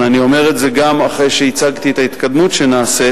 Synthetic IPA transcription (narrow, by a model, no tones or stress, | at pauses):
anio̞me̞ʁetze̞ɡamaχʁejʃeit͡saɡt̪iet̪ait̪kad̪mutʃe̞naːse